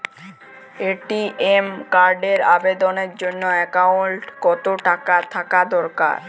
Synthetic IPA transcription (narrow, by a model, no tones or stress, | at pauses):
eʈiemkaɾɖeɾabed̪oneɾd͡ʑonːoɛkauɳʈkɔt̪oʈakat̪ʰakad̪ɔɾka̰ɾ